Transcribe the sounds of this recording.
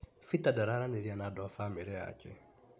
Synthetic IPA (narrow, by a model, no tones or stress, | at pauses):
fitadaɾaɾanelianadɔfameɾɛa̰kɛ̰